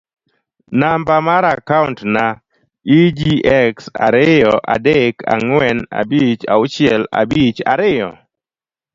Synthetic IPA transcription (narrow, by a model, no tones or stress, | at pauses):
nambamaɾakauntna | id͡ʒiɛksa̰ɾɪjɔʔa̰deka̰ŋwɛna̰bit͡ʃa̰ʊt͡ʃɪɛla̰bit͡ʃa̰ɾɪjɔ̰